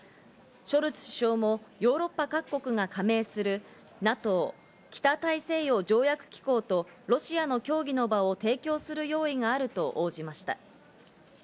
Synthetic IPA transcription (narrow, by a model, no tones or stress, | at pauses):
ɕo̞ɾɯ̟t͡sɨ̥ɕi̥ɕo̞ːmo̞jo̞ːɾo̞pːakakːo̞kɯ̟ŋakʰame̞ːsɨɾɯ̟ | nat̪o̞ː | kʲi̥t̪at̪aise̞ːjo̞d͡ʑo̞ːjakɯ̟̥kʲi̥ko̞ːt̪o̞ɾo̞ɕiano̞kʲo̞ːɡʲino̞baot̪e̞ːkʲo̞ːsɨɾɯ̟jo̞ːiŋaːɾɯ̟t̪o̞ʔoːʑimaɕi̥t̪a̰